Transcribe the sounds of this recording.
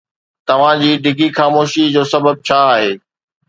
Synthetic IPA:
t̪ɐʋ̤ãd͡ʑiːɖʱɪɡʱixaːmoːʃid͡ʑoːsɐbəb̚t͡ɕʰaːɦeː

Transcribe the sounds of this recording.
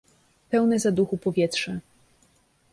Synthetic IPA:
pɛwnɛzad̪uxupɔvʲjɛtʂɛ

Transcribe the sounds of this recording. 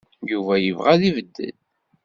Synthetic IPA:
juvæjəvʁæðivəd̪ːə̰d̪

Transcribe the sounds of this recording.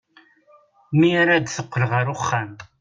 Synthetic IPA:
miaɾad̪θəqʷːəlʁəɾʊχːant̪

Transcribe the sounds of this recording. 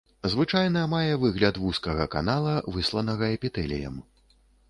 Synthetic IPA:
zvɨt͡ʂajnɐmajɛvɨɣlʲɐt̪vuskɐɣɐka̰nalˠɐvɨslˠɐnɐɣɐɛpʲit̪ɛlʲḭjɐ̰m

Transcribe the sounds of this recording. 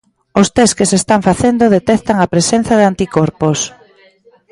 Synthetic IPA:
ost̪eskesest̪aɱfaθend̪oðet̪ɛθt̪aŋapɾesen̟θaðɪant̪ikɔɾpos

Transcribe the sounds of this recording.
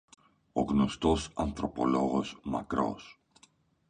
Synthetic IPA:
oɡnost̪osant̪ɾopoloɣosma̰kɾo̰s

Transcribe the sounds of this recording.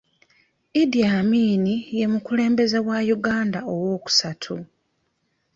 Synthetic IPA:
idijamiːnije̞mukule̞ːmbe̞ze̞wajuɡaːndaowo̞ːku̥satʰu

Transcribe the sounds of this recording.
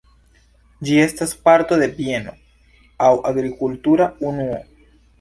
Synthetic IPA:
d͡ʒie̞staspaɾto̞d̪e̞pieno̞̰ | awʔaɡɾikultuɾaunuo̰

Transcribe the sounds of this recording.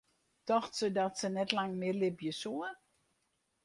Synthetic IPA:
tɔxtsədɔtsənɛtlaŋmɪlɪpjəsuə

